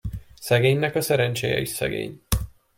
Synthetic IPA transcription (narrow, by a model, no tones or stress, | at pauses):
sɛɡeːɲnɛkɒsɛɾɛnt͡ʃeːjɛ̰isɛ̰ɡḛːɲ